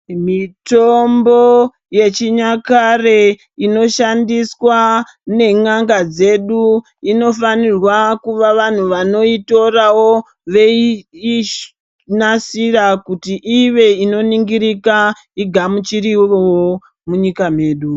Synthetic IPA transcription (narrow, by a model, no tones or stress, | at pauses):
mitombo | je̞t͡ʃiɲakare̞ | ino̞ʃandiswa | ne̞ŋaŋɡad͡ze̞ɗu | ino̞fanirwakuʋaʋan̤uʋano̞ito̞rawo | ʋe̞i | nasiɾakutiʔiʋe̞ino̞niŋɡiɾika | iɡʱamut͡ʃiɾiowo | muɲikam̤e̞ːɗu